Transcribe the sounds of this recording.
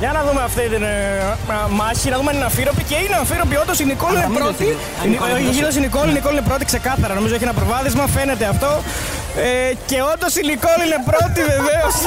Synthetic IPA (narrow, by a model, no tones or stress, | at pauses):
ʝɐnɐðumeɐft̪it̪ine | mɐçinɐðumeɐninɐfiɾo̞piceineɐfiɾopio̞nd̪osinikolinepɾot̪i | niosinikolinikolinepɾo̞t̪ikse̞kɐθɐɾɐno̞mizoeçienɐpɾovɐðizmɐfe̞ne̞t̪e̞ɐft̪o̞ | ece̞o̞nd̪osiniko̞line̞pɾo̞t̪ive̞ve̞os